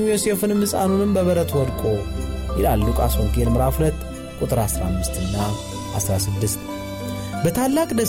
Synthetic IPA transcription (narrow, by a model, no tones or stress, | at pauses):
jose̞fɨnmɨsʼa̰nunɨmbəβəɾət̪ʰwɔd̪kʼo̞jɪlalːukʼa̰soŋkelmɨɾafhulət̪ː | kʼut̪ʼɨɾasɾa̰mːɨst̪ɨnːa | ʔa̰sɾasɨd̪ːɨst̪ | bət̪ʰalːakʼd̪ə